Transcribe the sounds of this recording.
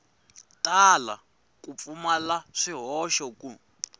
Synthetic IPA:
tʼala̰ | kʼup̪fumalaʂiɦɔʃɔku

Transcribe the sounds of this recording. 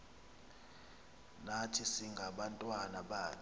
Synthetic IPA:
natʰisiŋɡʱaɓantʼwanaɓaː

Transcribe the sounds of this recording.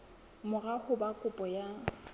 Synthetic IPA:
mʊrahʊbakʼʊpʼɔja

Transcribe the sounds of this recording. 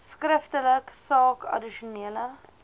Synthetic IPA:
skrəftələksɑːkʰɐ̰diʃuniələ

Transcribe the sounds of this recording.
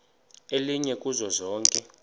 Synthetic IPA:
eliɲɛkʼuzɔzɔːŋkʼɛ

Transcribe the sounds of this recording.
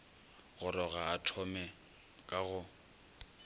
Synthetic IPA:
ɣʊɾɔɣaatʰɔmɛ | kʼaɣʊ

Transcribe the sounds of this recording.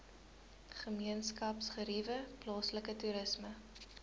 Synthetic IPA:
χəmiənskɐpsχəɾivəplɑːsləkətuɾəsmə

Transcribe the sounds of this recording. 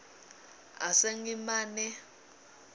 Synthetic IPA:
a̰seŋimaːnɛ

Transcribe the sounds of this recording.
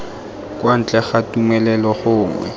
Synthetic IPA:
kʼwan̩t͡ɬʼɛχatumɛlɛlɔχʊːŋwɛ̰

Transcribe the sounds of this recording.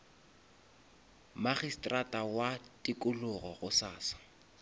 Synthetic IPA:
maχistʼratʼawatʼikʼʊlʊɣɔɣʊsaːsḁ

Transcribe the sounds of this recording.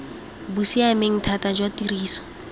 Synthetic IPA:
busiameŋ̩tʰatad͡ʒwatiriːsɔ̥

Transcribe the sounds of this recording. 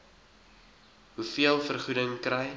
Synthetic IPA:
ɦufiəlˠfərχudəŋkɾɛj

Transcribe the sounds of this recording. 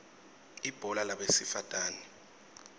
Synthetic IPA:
ib̥ʱɔlalaɓesifatʼaːni

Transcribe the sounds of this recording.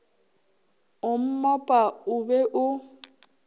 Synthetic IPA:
ʊm̩mɔpʼaʊbɛʔʊ

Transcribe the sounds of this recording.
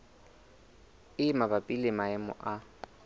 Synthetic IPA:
ɪmabapʼilɪmaɪmʊ̰ʔa

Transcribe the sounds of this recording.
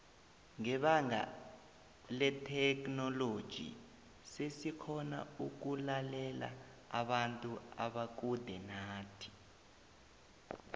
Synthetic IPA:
ŋɛɓaŋa̰ | lɛtʰɛknɔlod̥ʒ̥ʱḭ | sesikʰɔna̰uk̬ulalɛla̰ | a̰ɓantʼua̰ɓak̬udʱɛnaːtʰi̥

